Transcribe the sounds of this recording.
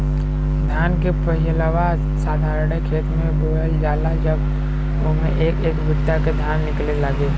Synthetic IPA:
d̪ʱjaːnkepəɦiləʋaː | saːd̪ʱaːɾɳekʰeːt̪mẽbəɦəld͡ʒaːlad͡ʒəb | ʊmẽʔeːkeːkbʱʊt̪ːjaked̪ʱjaːnːɪklelaɡe

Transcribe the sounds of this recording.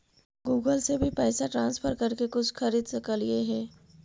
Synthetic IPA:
ɡuːɡəlsebʱipɛːsaʈɾãːnsfʰəɾkɐɾkekʊt͡ʃʰxɐɾiːd̪sɐkəlieɦɛ̃ː

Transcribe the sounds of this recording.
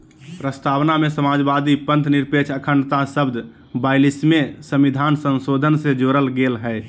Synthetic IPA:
pɾəst̪ʰaːʋnamesəmaːd͡ʒbad̪ipə̃nt̪niɾpet͡ʃʰəkʰəɳt̪asəbd̪ʱ | baɪlismesə̃mid̪ʱaːnsənsod̪ʱənsed͡ʒoːɾəlɡelɦɛɪ

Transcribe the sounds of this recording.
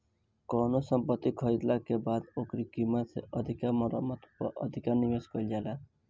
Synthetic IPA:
kɔnosɔmpət̪ːikʰɔjd̪lakebad̪okɾikimasḛʔʌd̪ʱikamɔɾɔmɔt̪ʰpɔ̰ʔʌ̰d̪ʱikaɾnimeskɔild͡ʒala

